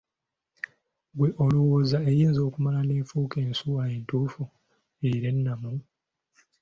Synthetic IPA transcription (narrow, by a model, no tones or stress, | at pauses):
ɡweʔo̞luwoːzaejiːnzo̞ːkumalaneːɱfuːke̞ːnsuae̞ntuːfu | eiɾe̞nːamu